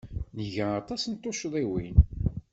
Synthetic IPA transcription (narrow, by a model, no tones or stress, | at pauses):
nəʝæɑt̪ˤɑsnt̪ːoʃðˤewin